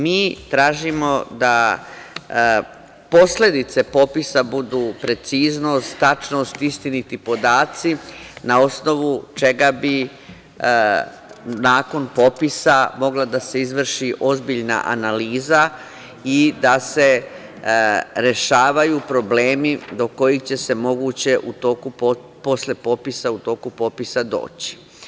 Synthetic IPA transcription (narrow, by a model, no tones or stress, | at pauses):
miːt̪ɾaːʒimo̞d̪a | po̞sle̞d̪it̪se̞po̞pisabud̪uːpɾe̞t̪siːzno̞st̪ːat͡ʃnoːst̪ist̪init̪ipo̞d̪aːt̪sinao̞sno̞ʋut͡ʃe̞ɡabi | naːko̞npo̞pisamo̞ɡlad̪ase̞izʋr̩ʃiʔo̞zbiʎna̰ʔa̰naliːza | id̪ase̞ | ɾe̞ʃaːʋajupɾo̞bleːmid̪o̞ko̞jixt͡ɕe̞se̞mo̞ɡut͡ɕe̞ʔut̪o̞ːku | po̞sle̞po̞pisaut̪o̞ːkupo̞pisad̪o̞̰ːt͡ɕi̥